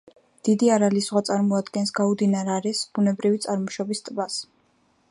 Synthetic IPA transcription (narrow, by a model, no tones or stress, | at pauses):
d̪̥id̪iaɾalizʁwat̪sʼaɾmɔad̪ɡɛnsɡaud̪inaɾaɾɛsb̥unɛbɾivit̪sʼaɾmɔʃɔbist̪ʼbas